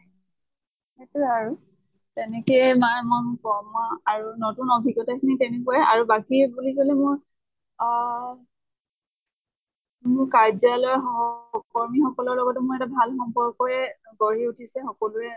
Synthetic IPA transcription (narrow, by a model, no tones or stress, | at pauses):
ɛtuaɹu | tɛnɛkeɛmajmɔnkɔɹmaaɹunotunɔbʱiɡɔtakʰinitɛnɛkuwɛa̰ɹubakibuliɡolɛmʊɹ | mʊkaɹzalɔɔkɔɹmixɔkɔlɔɹlɔɡɔtɛmʊɹɛtabʱalxɔmpɔɹkɔjɛɡoɹiutʰisɛxɔkɔluɛ